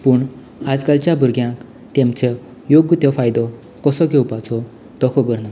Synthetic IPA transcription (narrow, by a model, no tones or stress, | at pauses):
puɳ | ad͡zkalt͡ɕjabʱuɾɡjãk | t̪emt͡ɕe | joɡt̪jɔfajd̪ɔ | kɔsɔɡʱewpat͡sɔ | t̪ɔkʰɔbəɾna